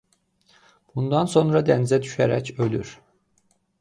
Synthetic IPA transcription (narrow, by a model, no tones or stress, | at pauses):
b̥und̪ɑnso̞nɾɑd̪ænizæd̪yʃæɾæ̰cøly̰ɾ̥